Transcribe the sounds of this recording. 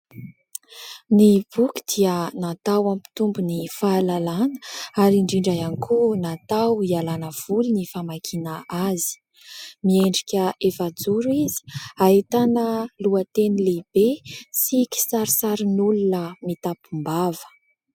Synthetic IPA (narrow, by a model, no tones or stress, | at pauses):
nib̥ukʲi̥d̪̥iənat̪awampi̥t̪umbunifaːlalanə̥aɾiɳɖ͡ʐiɳɖ͡ʐajanikʰunat̪awialanəv̥ulunifamakʰinaazi̥ | mieɳɖ͡ʐikʲəefad͡zuɾuizi̥ait̪anəluət̪enileb̥esikʲi̥saɾisaɾinulunəmit̪apumbavə̥